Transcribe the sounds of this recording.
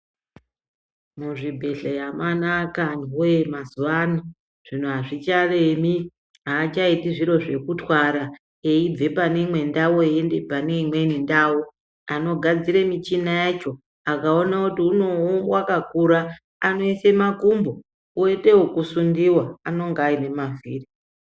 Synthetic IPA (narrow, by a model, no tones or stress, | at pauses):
muʐibʱe̞ɬejamanakanemazuʋana | ʐ̥in̤uaʐit͡ʃaremi | ɦaːt͡ʃaitiʐiɾo̞ʐe̞kutwaɾa | eib͡vepanemwe̞ndawoendepaneimwenindawo | ano̞ɡʱad͡ziɾemit͡ʃinajat͡ʃo̞ | akao̞nautiunowakakuɾaː | no̞isemakumbo | ueteokusundiwaano̞ŋɡaine̞maviːri